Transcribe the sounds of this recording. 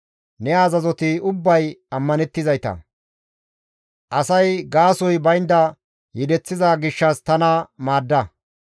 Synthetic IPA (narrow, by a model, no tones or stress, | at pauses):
nɛaːzɐzɔt̪ɪʊbːɐjɐmːɐnɛt̪ːɪzɐjt̪ɐ̰ | ʔɐsɐjɡaːsɔjbɐjnd̪ɐ | jɪd̪ɛt͡sːɪzaːɡɪʃːɐst̪ɐnɐmaːd̪ːɐ